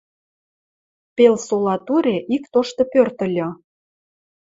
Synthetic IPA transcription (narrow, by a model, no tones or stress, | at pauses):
pelsolɑt̪uɾeʔikt̪oʃt̪ɤ̆pørt̪ə̆lʲɤ̆